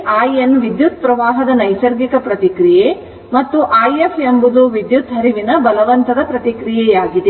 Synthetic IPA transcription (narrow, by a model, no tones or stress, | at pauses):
aːjenʋid̪jut̪̚pɾɐʋaːɦɐd̪ɐnɐjsɐɾɡikɐpɾɐt̪ikɾije | mɐt̪ːuʔaːjefʰembud̪uʋid̪jut̪ɦɐɾiʋinɐbɐlɐʋɐnt̪ɐd̪ɐpɾɐt̪ikɾijɛjaːɡid̪e